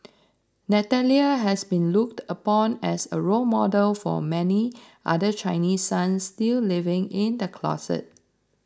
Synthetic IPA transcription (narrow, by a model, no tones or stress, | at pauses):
nɛtɛliəɦɛsbĩnluk̚təpɔ̃nɛsəɹolmɔdəlfɔ̰mɛni | ʔa̰dət͡ʃʰãɪnissãnsːtillivɪ̃ŋɪ̃ndəkʰlɔ̰sə̰t̚